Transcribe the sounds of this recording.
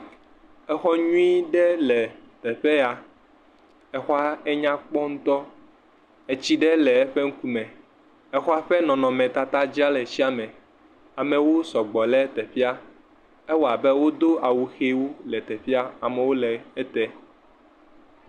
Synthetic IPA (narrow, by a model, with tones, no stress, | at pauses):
ɛ˦xɔ˦ɲũ˦i˦ɖɛ˦lɛ˨t̪ɛ˨ɸɛ˦a˨ | ɛ˦xɔ˦a˦ɛ˦ɲã˦k͡pɔ˦ŋũ˦t̪ɔ˦ | ɛ˨t͡ɕi˦ɖɛ˦lɛ˨ɛ˦ɸɛ˦ŋ̩˦ku˦mɛ̃˨ | ɛ˦xɔ˦a˦ɸɛ˦nɔ̃˨nɔ̃˨mɛ̃˨t̪a˦t̪a˦d͡ʑi˦a˦lɛ˨t͡ɕi˦a˦mɛ̃˨ | a˨mɛ̃˨wo˦sɔ˨ɡ͡bɔ˨lɛ˦t̪ɛ˨fi˦a˦ | ɛ˦wɔ˦˨a˨bɛ˦wo˦d̪o˦a˨wu˨xe˦wo˦lɛ˨t̪ɛ˨fi˦a˦a˨mɛ̃˨wo˦lɛ˨ɛ˦t̪ɛ˦